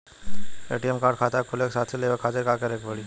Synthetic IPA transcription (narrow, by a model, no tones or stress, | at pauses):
ḛʈijemkaɾɖkʰaːt̪akʰoleksaːt̪ʰseleʋəkʰat̪ekakəɾeːkʋəɭi